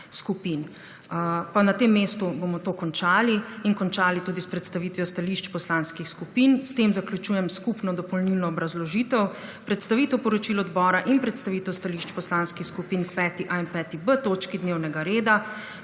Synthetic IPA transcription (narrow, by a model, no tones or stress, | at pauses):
skupin | panat̪emːest̪ubomɔt̪oːkɔnt͡ʃaːliinkɔnt͡ʃaːlit̪uːd̪ispɾɛt̪st̪aʋit̪ʋjɔst̪aliʃt͡ʃpɔslanskixskupiːnst̪eːmzaklʲut͡ʃuːjɛmskupnɔd̪ɔpɔlnilnɔːbɾazlɔʒit̪ɛwpɾɛt̪st̪aʋiːt̪ɛwpɔɾɔt͡ʃilɔd̪bɔːɾaʔinpɾɛt̪st̪aʋit̪ɛwst̪aliʃt͡ʃpɔslanskixskupiːnkpɛːt̪iʔaɛnpɛt̪ibət̪oːt͡ʃkid̪neːwnɛɡaɾeːd̪a